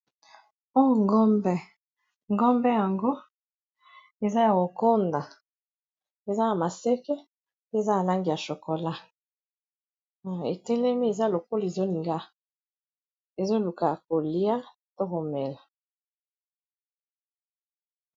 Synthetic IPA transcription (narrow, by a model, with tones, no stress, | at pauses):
ɔ˦˨ŋɡɔ˦mbɛ˦ | ŋɡɔ˦mbɛ˦ja˨ŋɡo˦ | e˨za˦ja˨ko˨ko˦nda˨ | e˨za˦ja˨ma˨sɛ˦kɛ˦ | e˦˨za˦a˨la˦ŋɡi˨ja˨ʃo˨ko˨la˦˨ | ḛ˨tɛ˦lɛ˦mi˦e˨za˦lo˨ko˦le˨zo˦li˨ŋɡa˦ | e˨zo˦lu˨ka˨ko˨li˦a˦ | to˦ko˨mɛ˨la˨